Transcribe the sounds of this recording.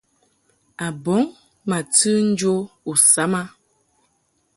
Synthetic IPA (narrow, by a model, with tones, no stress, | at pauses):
a˨bɔ˨˦ŋ | ma˨tɨ˦n̩˦d͡ʒo˦u˨sa˨˦ma˦